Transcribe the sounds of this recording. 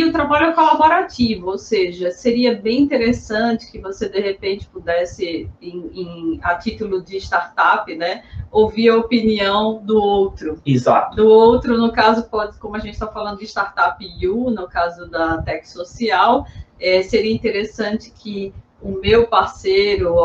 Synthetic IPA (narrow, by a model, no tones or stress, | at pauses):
ʊt̪ɾabaʎʊɛkolaboɾat͡ʃivʊowseʒɐseɾiɐbẽj̃ĩnt̪eɾesɐ̃t͡ʃɪ̥kɪvosed̪eɦepẽnt͡ʃɪ̥pud̪ɛsɪẽẽat͡ʃit̪ulʊd͡ʒɪːʃt̪aɾt̪apɪnɛowviɐopiniɐ̃w̃d̪ʊowt̪ɾʊiza̰t̪ʊd̪ʊowt̪ɾʊnʊkazʊkɔkõmʊɐʒẽt͡ʃɪ̥t̪avfalɐ̃nd̪ʊɪʃt̪aɾt̪apɪjunʊkazʊd̪ɐt̪ɛkɪ̥sosiawɛseɾiɐĩt̪eɾesɐ̃t͡ʃɪ̥kʰɪ | ʊmewpaɾseɾʊ